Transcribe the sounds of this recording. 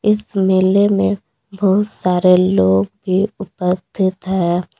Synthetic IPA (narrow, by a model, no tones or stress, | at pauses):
ɪsmeːlemẽ | bɔɦʊt̪saːɾeloːɡbʱiʊpəst̪ʰɪt̪ɦɛː